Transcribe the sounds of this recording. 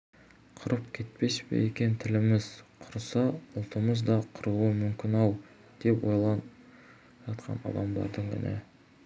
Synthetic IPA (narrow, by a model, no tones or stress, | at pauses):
qʰʊɾəp̚kʲʰe̞t̪̚pe̞ʃpḛjekʲe̞nt̪ʰɪlɪmɪzqʰʊɾsɑʊlˠt̪əməzd̪ɑqʰʊɾuəmʏmkʲɪnɑw | d̪̥e̞pwo̞jlˠɑn | ʒɑt̪qʰɑ̰nɑ̰d̪ɑmd̪ɑ̰ɾd̪əɴɡʲɪ̰nḛ